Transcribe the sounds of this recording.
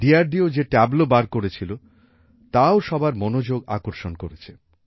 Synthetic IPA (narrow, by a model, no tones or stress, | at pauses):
ɖiaɾɖiod͡ʑeʈɛblobaɾkoɾet͡ɕʰilo | t̪aoʃɔbaɾmonod͡ʑoɡa̰koɾʃonkoɾet͡ɕʰe